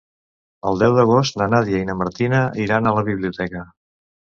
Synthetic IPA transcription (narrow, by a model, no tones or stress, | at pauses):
əlˠd̪ɛwd̪əɣ̞ost̪nənaðjiəinəməɾt̪inəiɾanələβiβliut̪ɛkə